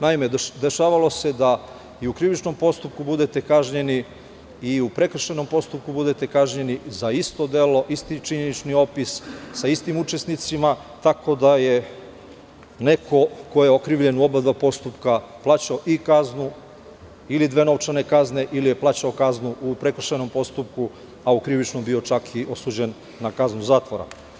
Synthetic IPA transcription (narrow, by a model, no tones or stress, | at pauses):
naime̞d̪e̞ʃaːʋalo̞se̞d̪a | iukɾiʋit͡ʃno̞mpo̞st̪up̚kubud̪e̞t̪e̞kaʒɲe̞ni | iupɾekr̩ʃeno̞mpo̞st̪up̚kubud̪et̪e̞kaʒɲe̞nizaist̪o̞d̪e̞lo̞ʔist̪it͡ʃiɲenit͡ʃnio̞pissaist̪imut͡ʃe̞snit̪simat̪ako̞d̪aje̞ | ne̞kʰo̞ko̞jeokɾiːʋʎe̞nuo̞bad̪ʋapo̞st̪upkaplˠaːt͡ɕaoʔikaznu | ilid̪ʋe̞no̞ʋt͡ʃane̞kazne̞ʔilije̞plˠaːt͡ɕaokaznuʔupɾe̞kr̩ʃeno̞mpo̞st̪up̚ku | aukɾiʋit͡ʃno̞mbio̞t͡ʃakʰiʔo̞suːd͡ʑe̞nː | akaznuzaːt̪ʋoɾa̰